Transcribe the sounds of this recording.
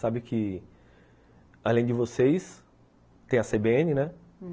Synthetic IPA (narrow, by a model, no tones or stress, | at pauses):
sabɪkʰɪ | alẽd͡ʒɪvosejs | t̪ẽj̃ɐsebeẽnɪnɛ